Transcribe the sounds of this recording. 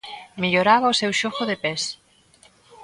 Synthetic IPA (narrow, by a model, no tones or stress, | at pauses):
miʎoɾaβɐʊsewʃoxoðepes